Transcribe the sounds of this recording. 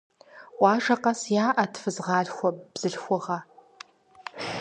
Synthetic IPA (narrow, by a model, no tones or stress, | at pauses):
ʔʷɑːʐɐqɐsjaːʔɐtʰfɨzʁɑːɮxʷɔb̥z̥ɨɬxʷʊʁɐ